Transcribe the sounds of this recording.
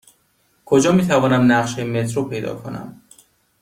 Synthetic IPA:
kʰod͡ʒɒːmiːt̪ʰævɒːnæmnæʁʃejemet̪ʰɾopʰe̞jd̪ɒ̰ːkʰonæ̰m

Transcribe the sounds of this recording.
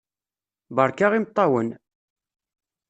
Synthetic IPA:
bəɾˤkaʁimət̪ˤːɑwən

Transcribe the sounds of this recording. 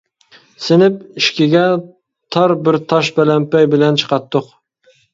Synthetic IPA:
sɪnɪp̚iʃkʲɪɡʲɛ | t̪ʰɑɾbɪɾt̪ʰɑʃbælɛmpɛjbɪlɛnt͡ʃʰə̥qɑt̪ːʊq

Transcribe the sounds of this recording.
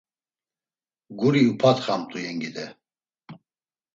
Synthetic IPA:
ɡuɾiupʰat̪χamt̪ʼujɛŋɡid̪ɛ

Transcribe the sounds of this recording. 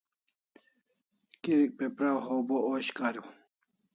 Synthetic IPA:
kiɾik̚pepɾawɦobooɕkaɾuw

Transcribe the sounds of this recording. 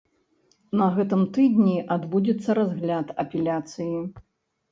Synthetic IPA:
nɐɣɛt̪ɨmt̪ɨd̪ʲnʲiʔad̪bud͡zʲɛt̪sːɐɾazɣlʲat̪ɐpʲɛlʲat̪sɨji

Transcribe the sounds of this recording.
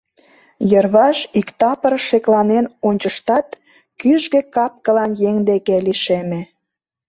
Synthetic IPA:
jərβɑʃikt̪ɑpərʃeklɑnenonʲt͡ɕəʃt̪ɑt̪ | kyʒɡekɑp̚kə̆lɑnjeŋd̪ekeliʃemĕ

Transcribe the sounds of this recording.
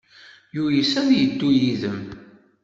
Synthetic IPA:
jujisæðjəd̪ːujiðəm

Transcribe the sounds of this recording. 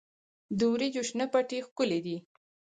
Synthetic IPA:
d̪uwɾid͡ʒuʃnəpaʈixkʊled̪i

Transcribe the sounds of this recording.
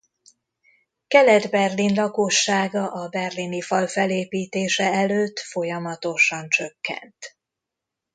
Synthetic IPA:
kɛlɛd̪bɛrlinlɒkoʃːaːɡɒʔɒbɛrlinifɒlfɛleːpiːt̪eːʃɛɛløːt̪ːfo̞jɒmɒt̪o̞ʃɒnt͡ʃø̞kːɛ̰nt̪

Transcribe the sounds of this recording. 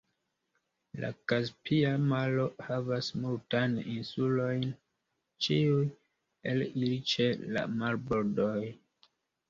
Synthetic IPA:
la̰kaspʰiamalo̞havasmultajninsulo̞jn | t͡ʃiuj | elilit͡ʃe̞la̰malbo̞ɾdo̞j

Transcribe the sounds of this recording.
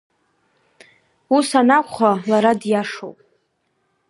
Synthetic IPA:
usanakʷʰʼχʷalaɾadjaʂo̰wpʼ

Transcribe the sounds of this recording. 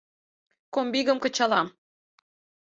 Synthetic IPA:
kombiɣə̆mkɤ̆t͡ɕɑlɑm

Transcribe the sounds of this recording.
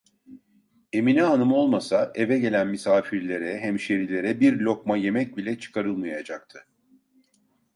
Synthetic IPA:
e̞minɛɦanɯmo̞lˠmasaʔe̞vɛɟe̞lʲænmisaːfiɾlʲe̞ɾɛɦæmʃeɾilʲe̞ɾɛbiɾlʲo̞kmaje̞mɛc̚bilʲɛt͡ʃʰɯ̥kʰaɾɯlˠmajad͡ʒak̚t̪ʰɯ̥

